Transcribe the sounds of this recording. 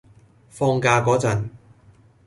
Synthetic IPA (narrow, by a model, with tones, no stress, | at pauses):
fɔː˧ŋkaː˧kɔː˨˥t͡sɐ˨˩n